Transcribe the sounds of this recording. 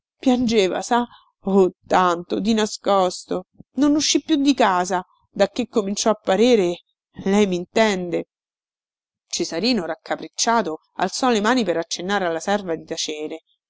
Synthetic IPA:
pjand͡ʒeːva̰sa | ot̪ːant̪od̪inaskɔst̪ononuʃːipːjud̪ːikaːza | d̪akːekːomint͡ʃɔapːaɾeːɾe | lɛjmint̪ɛnd̪e | t͡ʃezaɾiːnoɾakːapɾet͡ʃːaːt̪o | a̰lt̪sɔlemaːnipeɾat͡ʃːenːaːɾealːasɛrvad̪it̪at͡ʃeːɾe

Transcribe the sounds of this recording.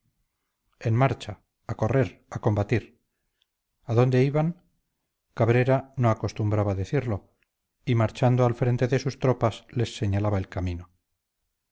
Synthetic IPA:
enmaɾt͡ʃaː | ko̞re̞ɾako̞mbat̪iɾ | aðo̞nd̪e̞iβaŋ | kaβɾe̞ɾano̞ako̞st̪umbɾaβaːðeθiɾlo̞ | imaɾt͡ʃand̪oalfɾe̞nt̪e̞ðe̞sust̪ɾo̞pasle̞sːe̞ɲalaβae̞lkamĩno̞

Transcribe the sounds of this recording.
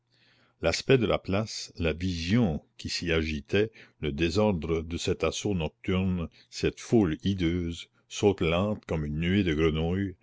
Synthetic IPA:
laspɛd̪əla̰plaslavizjɔ̃kʲisiaʒit̪ʰɛləd̪ezɔʁd̪ʁəd̪əsɛt̪asonɔk̚t̪yʁn | sɛt̪fulid̪øːz | soːt̪lɑ̃ːt̪kɔmynːyed̪əɡɾənuj

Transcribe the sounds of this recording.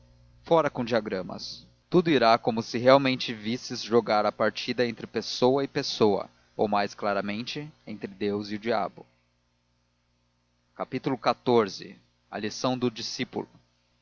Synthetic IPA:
fɔɾɐkõd͡ʒiaɡɾɐ̃mɐ̰s | t̪ud̪ʊiɾakõmʊsɪɦeawmẽnt͡ʃɪvisɪzʒoɡaɾɐpaɾt͡ʃid̪ɐẽnt̪ɾɪpesowɐɪpesowɐ̰ | o̰wmajsklaɾɐmẽnt͡ʃɪẽnt̪ɾɪd̪ewziʊd͡ʒia̰bʊ | kapit̪ulʊkat̪oɾzɪ̰ | ɐ̰lisɐ̃w̃d̪ʊd͡ʒisipṵlʊ

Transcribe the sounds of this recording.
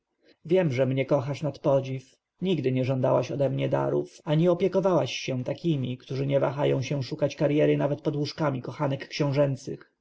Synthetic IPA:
vʲjɛmʐɛmɲɛkɔxaʂnat̪pɔd͡ʑif | ɲiɡd̪ɘɲɛʐɔnd̪awaɕɔd̪ɛmɲɛd̪a̰ɾṵfaɲɛɔpʲjɛkɔvawaɕːɛw̃t̪akʲimʲikt̪uʐɘɲɛva̰xajɔ̃w̃ɕɛw̃ʂukat͡ɕkaɾjɛɾɘnavɛt̪̚pɔd̪wuʂkamʲikɔxanɛkːɕɔ̃w̃ʐɛnt̪sɘx

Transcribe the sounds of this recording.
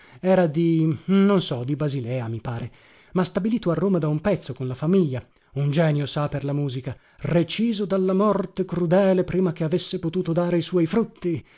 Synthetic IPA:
ɛːɾad̪inonsɔd̪ibazilɛːamipaːɾe | mast̪abiliːt̪oarːoːmad̪aumpɛt̪sːokonlafamiʎːa | und͡ʒɛːnjosaperlamuːzika | ret͡ʃiːzod̪alːamɔrt̪ekɾud̪ɛːlepɾiːmak̟eavesːepot̪uːt̪od̪aːɾeiswɔjfɾut̪ʰːi

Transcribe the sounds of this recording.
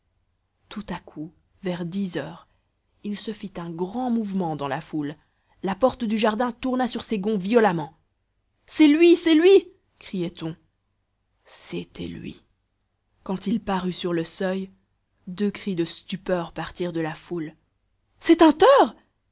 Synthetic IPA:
t̪ut̪akʰu | vɛʁd̪izœːʁ | ilsəfit̪ɛ̃ɡʁɑ̃muvmɑ̃d̪ɑ̃laful | lapɔʁt̪d̪yʒaʁd̪ɛ̃t̪uʁnasyʁseɡɔ̃vjɔlamɑ̃ | sɛlɥisɛlɥi | kχijɛt̪ɔ̃ | sḛt̪ʰɛ̰lɥḭ | kɑ̃t̪ilpaʁysyʁləsœj | d̪økχid̪əst̪ypœʁpaʁt̪iʁd̪əlaful | sɛt̪ɛ̃t̪œːʁ

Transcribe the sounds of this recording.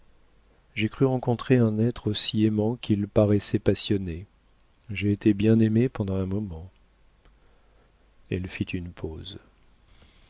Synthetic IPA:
ʒekχyʁɑ̃kɔ̃t̪χeɛ̃nɛt̪χosiemɑ̃kʲilpaʁɛsɛpasjɔne | ʒeːt̪ʰebjɛ̃nemepɑ̃d̪ɑ̃ɛ̃mɔmɑ̃ | ɛlfit̪ʰynpʰoz

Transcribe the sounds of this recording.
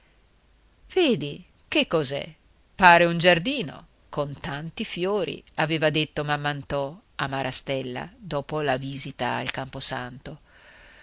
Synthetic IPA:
v̥eːd̪i | kekːozɛ̰ | paːɾeund͡ʒard̪iːno̰ | kont̪ant̪ifjoːɾḭaveːvad̪et̪ːomamːant̪ɔamaɾʔast̪ɛlːa̰d̪ɔːpolaviːzit̪a̰a̰lkamposa̰nt̪o

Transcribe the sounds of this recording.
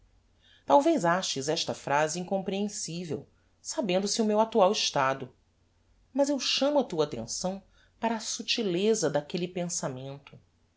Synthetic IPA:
t̪awvejzaʃɪzɛʃt̪ɐfɾaziĩŋkõmpɾiẽsivḛw | sabẽnd̪ʊsʊmewat̪uawiʃt̪ad̪ʊ | mɐzewʃɐ̃mʊat̪uɐat̪ḛ̃sɐ̃w̃ | paɾɐaːsut͡ʃilezɐd̪akelipẽsamẽnt̪ʊ̥

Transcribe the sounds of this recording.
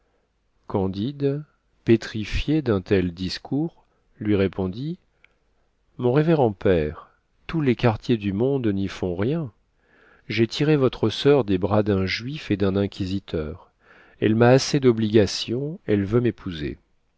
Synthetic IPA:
kɑ̃d̪id̪ | pet̪χifjed̪ɛ̃t̪ɛld̪iskʰuʁ | lɥiʁepɔ̃d̪i | mɔ̃ʁeveʁɑ̃pɛʁ | t̪ulekaʁt̪jed̪ymɔ̃d̪nifɔ̃ʁjɛ̃ | ʒet̪ʰiʁevɔt̪χəsœʁd̪ebʁad̪ɛ̃ʒɥifed̪ɛ̃nɛ̃kʲizit̪ʰœːʁ | ɛlmaːsed̪ɔbliɡasjɔ̃ɛlvømepʰuzḛ

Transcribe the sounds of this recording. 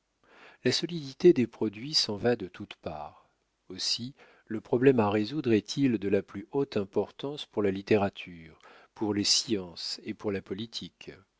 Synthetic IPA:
lasɔlid̪it̪ed̪epχɔd̪ɥisɑ̃vad̪ət̪ʰut̪pa̰ːʁ | osi | ləpχɔblɛmaʁezud̪ʁɛt̪ʰild̪əlaplyot̪ɛ̃pɔʁt̪ɑ̃spuʁlalit̪eʁat̪ʰyːʁ | puʁlesjɑ̃sepuʁlapɔlit̪ʰik

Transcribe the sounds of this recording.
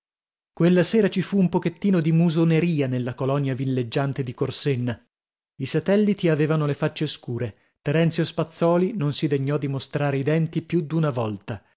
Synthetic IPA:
kwelːaseːɾat͡ʃifuːmpoket̪ːiːnod̪imuzoneɾiːanelːakolɔnjavilːed͡ʒːant̪ed̪ikorsenːa | isat̪ɛlːit̪iaveːvanolefat͡ʃːeskuːɾe | t̪ɛɾɛnt̪sjospat̪sːɔːlinonsid̪eɲːɔd̪ːimost̪ɾaːɾeid̪ɛnt̪ipjud̪unavɔlt̪a

